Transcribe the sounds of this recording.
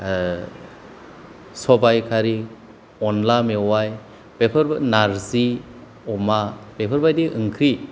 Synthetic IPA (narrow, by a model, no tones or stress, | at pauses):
sɔbajkʰaɾi | ɔnlamewaj | pepʰəɾnaɾzi | ɔmapepʰəɾbajdiʔɯŋkʰɾi